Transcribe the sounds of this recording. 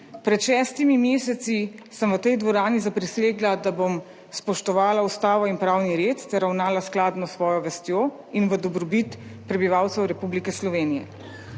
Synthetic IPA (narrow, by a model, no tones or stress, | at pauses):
pɾɛt̪ʃɛːst̪imimeːsɛt̪sisəmʋət̪ɛjd̪ʋɔɾaːnizapɾiseːɡlad̪abom | spɔʃt̪ɔʋaːlaust̪aːʋɔinpɾaːwniɾet̪t̪ɛɾawnaːlasklaːd̪nɔsʋɔːjɔʋɛst̪joː | inʋəd̪ɔbɾɔbit̪pɾɛbiʋaːwt̪sɛwɾɛpublikɛslɔʋeːnijɛ̰